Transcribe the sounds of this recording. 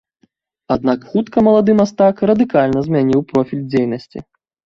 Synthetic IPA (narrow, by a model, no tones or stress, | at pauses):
ad̪nakxut̪kɐmɐlˠad̪ɨmast̪akrɐd̪ɨkalʲnɐzʲmʲanʲiwpɾɔfʲilʲd͡zʲejnɐsʲt͡sʲḭ